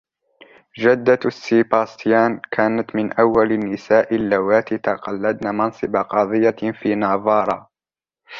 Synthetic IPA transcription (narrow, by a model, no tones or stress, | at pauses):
d͡ʒad̪ːasːiːbaːst̪jaːnkʰaːnat̪mɪnʔawːalanːɪsaːʔɪlːawaːt̪ɪt̪ɑqɑlːad̪naːmɑnsˤɨbaqɑðˤɨjːafiːnɑːðˤɑːɾˤɑː